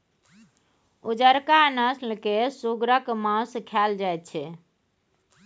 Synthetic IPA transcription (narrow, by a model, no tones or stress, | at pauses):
ud͡ʒəɾkanəslkesuɡɾəkmãũskʰald͡ʒajt̪̚t͡ʃʰɛ